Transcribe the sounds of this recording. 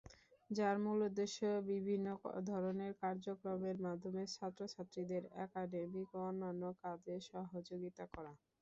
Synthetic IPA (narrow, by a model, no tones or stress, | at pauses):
d͡ʑaɾmulod̪eʃobibʱinːod̪ʱɔɾoneɾkaɾd͡ʑokɾomeɾmad̪ʱːomeɾt͡ɕʰat̪ːɾot͡ɕʰat̪ːɾid̪eɾɛ̰kaɖemikɔnːanːokadeʃɔɦod͡ʑoɡit̪akɔɾa